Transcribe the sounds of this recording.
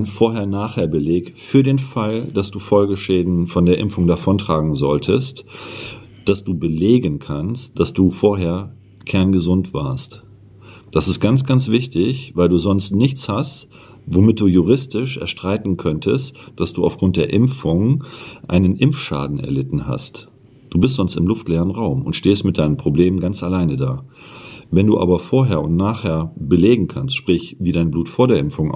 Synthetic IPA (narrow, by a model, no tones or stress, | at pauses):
nfoːɐɦeːɐnaːχheːɐbəleːkfyːɐdeːnfald̥asd̥uːfɔlɡəʃɛːdn̩fɔndeːɐʔɪmfʊŋdafɔntʁ̥aːɡŋ̩zɔ̰ltʰəst | d̥asd̥uːbəleːɡənkʰanst̚d̥asd̥uːfoːɐɦeːɐ | kʰɛɐnɡəzʊntv̥a̰ːɐst | d̥asɪst̚ɡ̥ant͡sɡ̥ansv̥ɪçtɪçvaɪlduːzɔnstnɪçt͡shast | vomɪt̚d̥uːjuʁɪstɪʃʔɛ̰ɐʃtʁ̥aɪtn̩kʰœntʰəstd̥asd̥uːa̰ʊfɡ̥ʁʊnt̚d̥eːɐʔɪmfʊŋʔa̰ɪnənʔɪmfʃa̰ːdn̩ɛ̰ɐlɪtn̩ha̰st | d̥uːbɪstz̥ɔnstɪmlʊftlɛːʁənʁaʊmʊ̰ntʃteːstmɪt̚d̥aɪnəmpʁ̥obleːmənɡant͡salaɪnədaː | vɛnduːʔa̰ːbɐfoːɐɦeːɐʊntnaːχheːɐbəleːɡŋ̩kʰanstʃpʁ̥ɪçviːdaɪnbluːtfoːɐdeːɐʔɪmfʊŋ